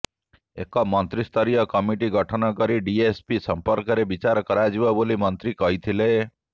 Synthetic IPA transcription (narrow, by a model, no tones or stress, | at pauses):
ḛkɔmɔnt̪ɾist̪ʰɔɾijɔkɔmiʈiɡɔʈʰɔnɔkɔɾiɖiespisɔmpɔɾkɔɾebit͡ʃaɾɔkɔɾad͡ʒibɔbolimɔnt̪ɾikɔɦit̪ʰile